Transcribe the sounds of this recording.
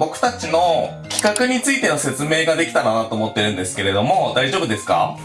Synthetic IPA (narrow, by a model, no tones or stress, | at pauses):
bo̞kɯ̟̥t̪at͡ɕino̞ | kʲi̥kakɯ̟ɲ̟it͡sɨit̪e̞no̞se̞t͡sɨme̞ːɡad̪e̞kʲi̥t̪ananat̪o̞ːmo̞t̪ːe̞ɾɯ̟̃nd̪e̞sɨ̥ke̞ɾe̞d̪o̞mo̞d̪aiʑo̞ːbɯ̟d̪e̞sɨ̥ka̰